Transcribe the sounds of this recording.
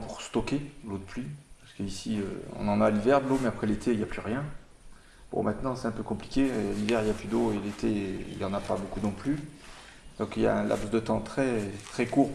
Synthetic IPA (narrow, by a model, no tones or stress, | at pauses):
puʁst̪ɔkʲeəlod̪əplypaʁsə̥kəisiø̰ɔ̰̃nɑ̃naːlivɛʁd̪əlomɛapχɛlet̪ʰeiljaplyʁjɛ̃ | b̥ɔ̰̃mɛ̃t̪nɑ̃sɛ̥t̪ɛ̃pøkɔ̃pli̥kʲelivɛʁiljaplyd̪oelet̪eḭljɑ̃napabokunɔ̃ply | d̪̥ɔ̃kilja̰ɛ̃lʔa̰psd̪ət̪ɑ̃t̪χɛt̪χɛkuːʁ